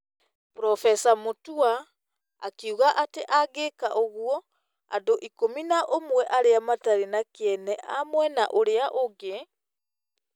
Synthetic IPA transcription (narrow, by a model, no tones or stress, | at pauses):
pɾɔfɛsamotua | a̰kiuɣaʔateʔaɣekaʔoɣuɔ | a̰doʔikominaʔomwɛʔaɾeamataɾinakeɛnɛʔamwɛnaʔoɾeaʔoɡe